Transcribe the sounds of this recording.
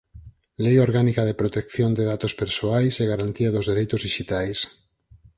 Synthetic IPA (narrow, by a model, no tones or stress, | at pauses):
lejoɾɣanikaðepɾot̪ekθjond̪eðat̪ospeɾsoajseɣaɾant̪iaðozðeɾejt̪ʊzðiʃit̪ajs